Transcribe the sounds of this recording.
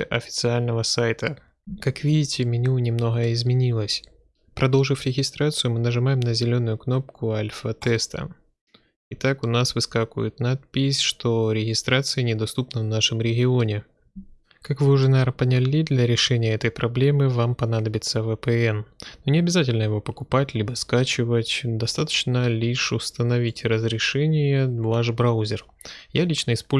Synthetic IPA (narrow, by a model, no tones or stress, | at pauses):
ʔɐfʲɪ̥t̪sɨalʲnəvəsajt̪ə | kakvʲidʲɪtʲɪmʲɪnʲunʲɪmno̞ɣəɪzmʲɪnʲilˠəsʲ | pɾɐd̪lˠʐɨfɾʲɪɣʲɪst̪ɾat̪sɨjʊmɨnəʐɨmajɪmnəzʲɪlʲo̞nʊjʊkno̞pkʰʊalʲfət̪ɛst̪ʰə̰ | ɪt̪akʊnasvɨskakʊ̰jɪt̪nat̪̚pʲɪsʲʂt̪oɾʲɪɣʲɪst̪ɾat̪sɨjənʲɪd̪ɐst̪upnəvnaʂɨmɾʲɪɡʲɪonʲɪ | kakvɨʊʐɛnaɾpənʲɪlʲid̪lʲɐɾʲɪʂɛnʲɪjəɛt̪əjpɾʔɐblʲe̞mɨvampɐnad̪əbʲɪt̪səvɛpɛɛnnonʲɪɐbʲɪzatʲɪlʲnəjɪvo̞pəkʊpatʲlʲibəskat͡ɕɪvətʲd̪ɐst̪at̪ə̥t͡ɕnəlʲiʂʊst̪ənɐvʲitʲrəzɾʲɪʂɛnʲɪjəvˠaʂbɾawzʲɪr | jalʲit͡ɕnəɪspo